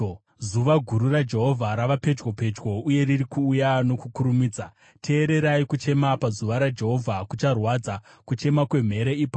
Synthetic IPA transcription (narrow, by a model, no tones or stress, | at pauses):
zuʋaɡʱuɾurad͡ʒe̞ɦo̞vʱaɾaʋape̞d͡ʒɡo̞pe̞d͡ʒwo̞uje̞riɾikuːjano̞kukuɾumiːd͡za | tʰe̞ːɾe̞ɾaikut͡ʃe̞mapazuʋaɾad͡ʒe̞ɦo̞vʱakut͡ʃarwad͡za | kut͡ʃe̞makwe̞m̤e̞ɾeipa